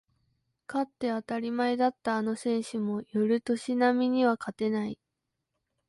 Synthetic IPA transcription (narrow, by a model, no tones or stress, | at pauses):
kat̪ːe̞at̪aɾʲimae̞d̪at̪ːaːno̞sẽ̞ɰ̃ɕɨmo̞joɾɯ̟t̪o̞ɕinamʲiɲ̟iβakat̪e̞nai